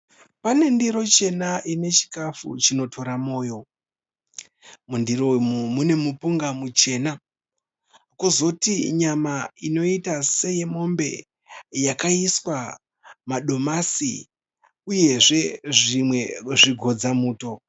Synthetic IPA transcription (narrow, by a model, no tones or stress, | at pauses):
pane̞ndiɾo̞t͡ʃe̞naʔine̞t͡ʃi̥kafṵt͡ʃino̞tʰo̞ɾamo̞ːjo̞ | mundiɾomumune̞mupuŋɡamut͡ʃe̞ːna | kuzotiɲamaino̞itase̞je̞mo̞mbe̞̰ | jakaiswa | maɗo̞masḭ | uje̞ʐe̞ʐimwe̞ʐiɡʱo̞d͡zamuːto̞